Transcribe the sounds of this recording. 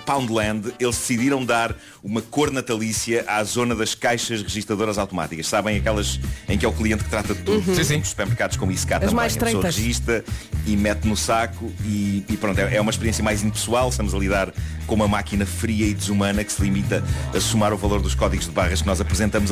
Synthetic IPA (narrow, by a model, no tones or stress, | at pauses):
pãw̃nd̪lˠɛ̃nd̪elˠʒd̪ɨsiðiɾɐ̃w̃d̪aɾ | umɐkoɾnɐt̪ɐlˠisjɐʔazonɐðɐʃkajʃɐʒʁɨʒiʃt̪ɾɐðoɾɐzawt̪uma̰t̪ikɐʃsaβɐ̃j̃ɐkɛlˠɐzẽj̃kɛuklˠiẽnt̪̚k̚ɨ̥t̪ɾat̪ɐðt̪uðusĩmuʃsu̥pɛɾmɨɾkaðuʃkõmuiskat̪ɐɐmmaɐj̃ʃt̪soʁɨʒiʃt̪ɐimɛt̪nusakuiːpɾõnt̪ɛʔɛumɐʃpɨɾiẽsjɐmajzĩnd̪pɨ̥swalˠʃt̪ɐmuzɐlˠiðaɾkõumɐmakinɐfɾiɐid̪ɨzumɐnɐksɨlˠimit̪ɐɐsumaɾuvɐlˠoɾðuʃkɔðiɣuʒðɨβaʁɐʃknɔzɐpɾɨzẽnt̪ɐmuz